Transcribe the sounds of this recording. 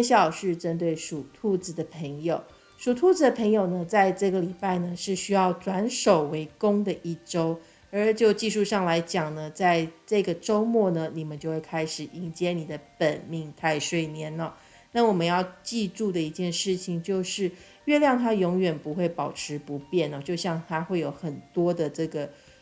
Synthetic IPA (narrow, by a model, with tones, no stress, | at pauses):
ɛ˥nɕjɑ˨˩ʊʂɻ̩˥˩ʈ͡ʂə˥nt̪we˥˩ɪʂu˨˩t̪ʰu˥˧˩t͡s̩˨˩d̪ə˩pʰə˧˥ŋjo˨˩ʊ | ʂu˨˩t̪ʰu˥˩d͡z̩˧˥d̪ə˨˩pʰə˧˥ŋjo˨˩ʊnə˩˦t͡sa˥˧ɪʈ͡ʂɤ˥˩ɡə˩li˨˩pa˥˩ɪnə˩ʂɻ̩˥˩ɕy˥jɑ˥˩ʊt͡swa˧˥nʂo˨˩ʊwe˧˥ɪkʊ˥ŋd̪ə˨ʔi˥˩ʈ͡ʂo˥ʊ | ə˨˥t͡ɕjo˥˧ʊt͡ɕi˥˧ʂu˥˧ʂɑ˥˩ŋla˧˥ɪt͡ɕjɑ˨˩ŋnə˦t͡sa˥˧ɪʈ͡ʂɤ˥˩ɡə˩ʈ͡ʂo˥ʊmwɔ˥˩nə˩ni˨˩mə˨˦nt͡ɕjo˥˧ʊxwe˥˩ɪkʰa˥ɪʂɻ̩˨˩i˧˥ŋt͡ɕjɛ˥ni˨˩d̪ə˦pə˨˩nmi˥˧ŋt̪ʰa˥˧ɪʂwe˥˩ɪnjɛ˧˥nə˨˩ | na˥˩wɔ˨˩mə˦njɑ˥˧ʊt͡ɕi˥˧ʈ͡ʂu˥˩d̪ə˩i˧˥t͡ɕjɛ˥˧nʂɻ̩˥˩t͡ɕʰi˨˩ŋt͡ɕjo˥˧ʊʂɻ̩˥˩ | ɥɛ˥˧ljɑ˥˩ŋt̪ʰa˥jʊ˧˥ŋɥɛ˨˩npu˧˥xwe˥˩ɪpɑ˨˩ʊʈ͡ʂʰɻ̩˧˥pu˧˦pjɛ˥˩nə˨˩t͡ɕjo˥˧ʊɕjɑ˥˧ŋt̪ʰa˥xwe˥˩ɪjo˧˩ʊxə˨˩nt̪wɔ˥d̪ə˨ʈ͡ʂɤ˥˩ɡə˩